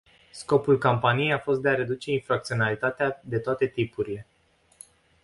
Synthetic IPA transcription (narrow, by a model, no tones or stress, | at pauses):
sko̞pulkompanijejafo̞st̪̚d̪e̞aɾe̞d̪ut͡ʃe̞infɾak̚t̪sio̞nalit̪at̪ead̪e̞t̪oat̪e̞t̪ipuɾile̞